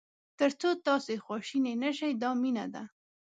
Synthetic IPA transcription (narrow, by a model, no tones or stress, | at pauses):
t̪əɾt͡sot̪ɑsexwɑʃinenəʃajd̪ɑmina̰d̪a